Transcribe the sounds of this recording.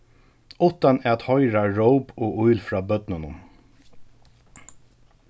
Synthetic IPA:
ʊt̪anɛat̪hɔjɾaɹowpoːʊjlfɾɑːbœt̪nʊnʊm

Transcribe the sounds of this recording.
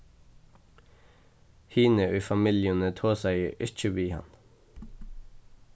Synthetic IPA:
hiːnəʔyːfɑmɪljənət̪ʰoːsæɪʔɪt͡ʃəʋiːhɑ̰n

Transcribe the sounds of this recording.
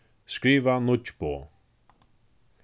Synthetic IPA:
skɾiːvanʊt͡ʃboː

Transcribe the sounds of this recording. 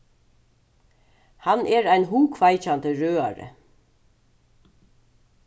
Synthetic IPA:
hanʔɛːɾajnɦuːkʰvajt͡ʃant̪əɾøːa̰ɹə̰

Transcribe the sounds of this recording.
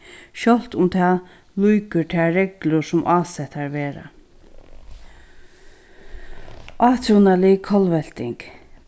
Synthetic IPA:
ʃɔl̥t̪ʊmt̪ʰaː | lujkəɹʈʰaːɾɛklʊsʊmʔaːsɛt̪ːaɹʋeːɾa̰ | ʔaːt̪ʰunalɪkʰɔlʋɛlt̪ɪŋk

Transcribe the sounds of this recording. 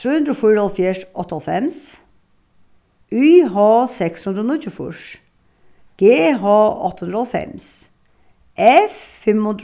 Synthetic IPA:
t̪ɾʉːhʉnd̪ɾɔfuːɾəɑlfjæːʂʔɔt̪ːəhɑlfɛms | yːɦɑːsɛkshʉnd̪ɾonɪçʉfʊ̰ʂ | ɡ̥eːɦɑːɑ̰t̪ːəhʉnd̪ɾəhɑlfɛ̰ms | ʔɛffɛmhʉnd̪ɾ

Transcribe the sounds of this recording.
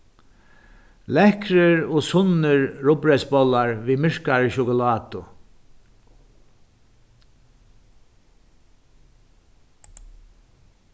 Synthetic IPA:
lɛhkɾɪɹɔːsʊnɪɹːʊpɾɛsbɔlaɹʋiːmɪɹkaɹəʃʊkʊlɑːt̪ʊ

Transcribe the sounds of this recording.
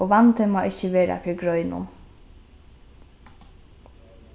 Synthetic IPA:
oːʋant̪əmɑːʔɪçəʋeːɾa̰fɪɹɡɹœʏnʊ̰n

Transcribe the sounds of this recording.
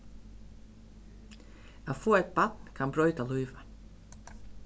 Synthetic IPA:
æːfoːɛt̪̚bat̪nkʰanbɾɔʏt̪alɔʏʋa

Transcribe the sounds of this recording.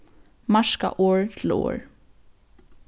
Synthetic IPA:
maʂka̰ʔoːɹt̪ʰɪlo̰ːɹ

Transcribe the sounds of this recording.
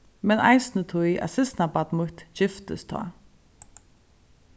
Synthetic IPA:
mɛna̰ɪsnət̪ʰʊjʔa̰sɪsnabat̪mʊht̪ʃɪft̪ə̰st̪ʰɑ̰ː

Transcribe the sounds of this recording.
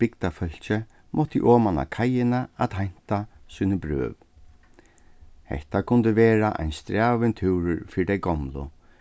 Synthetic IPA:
b̥ɪkt̪afœl̥t͡ʃɪ | mʔɔt̪ḭʔɔːmana̰kʰajɪnaat̪hajn̥t̪asuːnɪbɾø̰ːʋ | hɛ̰ht̪akʰʊnt̪ɪʋeːɾaʔa̰jnst̪ɾaːʋɪnt̪ʰɪwɾʏɹfiːɾɪd̪ɛjɡɔmlʊ̰

